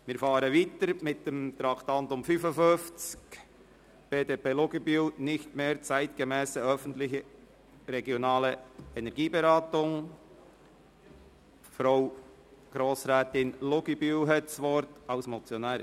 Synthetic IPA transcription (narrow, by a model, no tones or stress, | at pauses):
mɪːɾfɑːɾəviːtəɾmɪt̚d̥emt̪ɾɑkt̪ɑntʊmfyfəfønft͡sk | b̥eːdeːpeːlʊɡəbynɪçtmeːɾt͡sæɪtɡ̥əmɛːsəœfən̩tlɪçə | ɾɛɡjonɑːləɛnɛɾɡiːbeɾɑːtʊŋ | fɾaʊ | ɡ̥ɾoːsɾɛːtɪnlʊɡibyɦɛtsʋɔɾtɑʊsmɔt͡sjonɛː